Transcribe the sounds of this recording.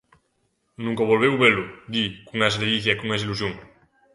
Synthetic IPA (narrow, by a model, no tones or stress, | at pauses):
nũŋkaβolβewβelod̪ikuŋasɾejiθjakuŋesilus̬joŋ